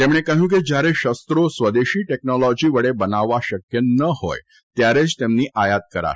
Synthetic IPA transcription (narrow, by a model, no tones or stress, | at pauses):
t̪emɽ̃ekəɦũk̬ed͡ʑjaɾeɕəst̪ɾosʋəd̪eɕiːʈek̚nɔlɔd͡ʑiʋəɽebənaʋːaɕəkjənəho̰j | t̪jaɾet͡ɕt̪emniːʔajat̪̚kəɾa̰